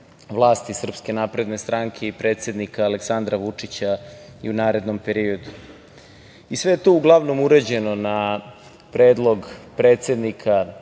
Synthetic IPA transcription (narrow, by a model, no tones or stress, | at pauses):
vlˠaːst̪isr̩pske̞naːpɾe̞d̪ne̞st̪ɾaŋkʰe̞ipɾet̪se̞d̪nikaːleksand̪ɾaʋut͡ʂit͡ɕaiunaːɾe̞d̪no̞mpe̞ɾio̞d̪u | isʋe̞jet̪ouɡlˠaʋno̞muɾed͡ʑe̞no̞na | pɾeːd̪lˠo̞ɡpɾet̪se̞d̪nikʰa